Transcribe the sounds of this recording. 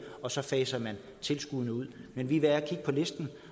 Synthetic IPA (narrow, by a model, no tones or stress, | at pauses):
ɒ̽sɒ̽fɛːsɐmæn | t͡sʰe̝lsɡ̥uðˠnəuð̞̰ˠmenʋiʋeæɐkʰiɡ̥ə̥pʰɒ̽le̝sd̥n̩